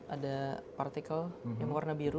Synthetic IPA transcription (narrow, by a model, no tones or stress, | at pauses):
adapart̪ikaljaŋmwarnabiɾu